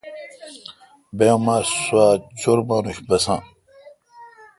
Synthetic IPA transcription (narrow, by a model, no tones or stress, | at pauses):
bemaːsuaːt͡ɕoɾbaːnuɕbɐsã̰ː